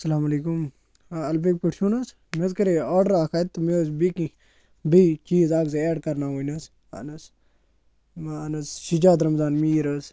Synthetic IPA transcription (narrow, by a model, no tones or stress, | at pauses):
sɐlaːmɐleːkum | ɐlbek̚puʈʰʃuːnɐs | mezkɐɾeoːɾɖəɾaːkʰaːt̪ːmes̬bikĩ | bit͡ʃiːzaːɡzeːɖkɐɾnaːɦonɐs | a̰nɐs | nɐsʃid͡ʒaːd̪ɾɐmzaːnmiːɾɐs